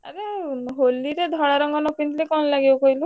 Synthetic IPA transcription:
a̰ɾeɦolːiɾed̪ʱɔɽaɾɔŋɡɔnɔpint̪lekɔnlaɡibɔkɔɦilu

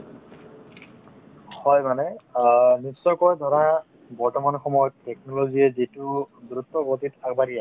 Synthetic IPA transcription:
hɔjmanɛ | nisɔkɔɹjdʱɔɹa | bɔɹtɔmanxɔmɔjɔttek̚nɔloɡiɛzitʊduɾut̪ːɔɡotitaɡbaɾia

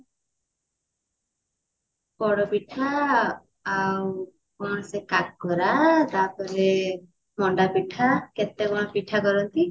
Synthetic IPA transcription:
pɔɽɔpiʈʰaː | w | konosekakɡɔɾat̪apɔɾe | mɔɳɖapiʈʰaket̪ːekɔɽ̃ɔpiʈʰakɔɾɔnt̪i

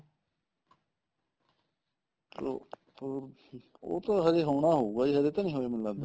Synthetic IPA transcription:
to̰ | o̰ːt̪ãːɦəɾeːɦoːɳ̃aːɦoːuːɡaːd͡ʒiːɦəɾeːt̪ãːnĩːɦoːeːmənlãːnd̪a

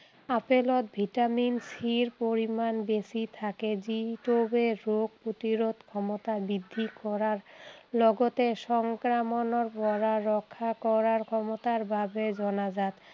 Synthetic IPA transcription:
apelot̪̚bʱiʈaminsiɾpoɾimanbesit̪ʰaked͡ʑiʈobeɾoɡ̚pot̪iɾot̪kʰɔmot̪abid̪ʱːikɔɾaɾlɔɡot̪eʃɔŋkɾamonoɾpɔɾaːɔkʰːakɔɾaɾkʰɔmot̪aɾbabed͡ʑɔnad͡ʑat̪

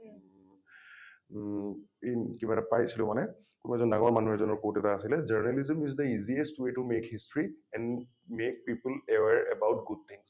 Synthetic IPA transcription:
kibaɛɾapajsilʊ̰̃manɛ | kʊnoɛzɔnda̰ɡɔɹmanuɦɛɹzɔnɔɹkotɛtaːsilɛd͡ʒaɹnɛlizəmizd̪əiziestwetumekhistɹiɛ̃n | mek̚piplɛwɛɹɛbawt̚ɡud̚t̪ʰĩŋs

